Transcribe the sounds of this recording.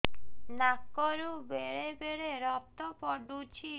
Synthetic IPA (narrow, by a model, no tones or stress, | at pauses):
nakːɔɾubeɾebeɾeɾɔt̪ɔpɔɖut͡ʃʰi